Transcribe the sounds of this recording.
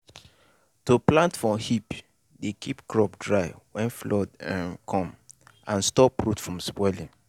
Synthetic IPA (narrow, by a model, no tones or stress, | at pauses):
toplãntfɔhip | dekʰipkɹɔpdɹaɪwɛ̃nflɔdɛmkʰɔ̃mãnstɔpɹutfɹɔ̃msbwɛlĩŋ